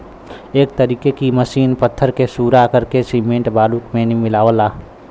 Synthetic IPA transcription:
eːk̚t̪əɾiːkekiməʃiːnpət̪ʰːəɾkesuːɾakəɾkesiːmẽːɳʈbaːluːkmẽnimɪlaːʋəlaː

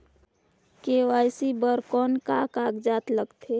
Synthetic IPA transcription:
kewaːjsibəɾkɔːnkakaɡd͡ʒaːt̪ləɡt̪ʰe

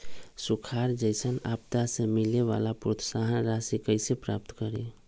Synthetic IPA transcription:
sukʰaɾd͡ʒəɪsəna̰pt̪asemileʋa̰lapɾot̪saɦənɾasikəɪsepɾa̰p̚t̪kəɾi

